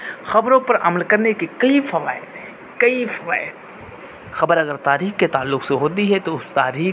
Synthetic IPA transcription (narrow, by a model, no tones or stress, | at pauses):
xɐbɾõpɐɾʔɐ̰məlkɐɾnekekɐifɐʋaːɪt̪ | kɐifɐʋa̰ːɪt̪ | xɐbəɾɐɡəɾt̪aːɾiːxket̪aːlːʊqseɦoːt̪̬iɦɛt̪oʊst̪aːɾiː